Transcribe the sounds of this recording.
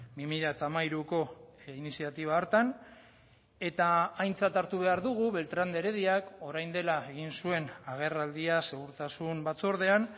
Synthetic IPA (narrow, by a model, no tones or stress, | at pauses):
bimiʎat̪amaiɾuko̞inisiat̪iβ̞aoɾt̪an | e̞t̪aːjnt͡sat̪aɾt̪uβe̞aɾðuɣ̞uβe̞lt̪ɾand̪eɾe̞ðiako̞ɾajnd̪e̞lae̞ɣ̞insue̞naɣ̞e̞rald̪iase̞ɣ̞uɾt̪asumbat͡soɾðe̞an